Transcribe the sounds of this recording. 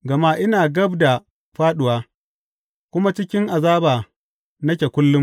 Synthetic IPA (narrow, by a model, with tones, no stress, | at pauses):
ɡɐ˨ma˦ʔɪ˦naː˨ɡɐ˦bda˨ | ɸaː˦ɗʊ˨waː˦ | kʷʊ˦ma˦t͡ʃɪ˦kʲɪ˦ŋʔa˨zaː˦baː˨ | nɐ˦kʲe˨kʷʊ˦lːʊ˦m